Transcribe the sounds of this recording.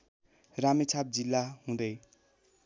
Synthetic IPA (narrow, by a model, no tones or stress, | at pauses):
ramet͡sʰab̚d͡zilːaɦũd̪ʌj